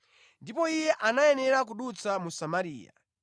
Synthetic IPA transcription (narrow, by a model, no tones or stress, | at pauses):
ndipɔijɛʔanajɛnɛɾak̬uɗut͡samusamaɾḭːja̰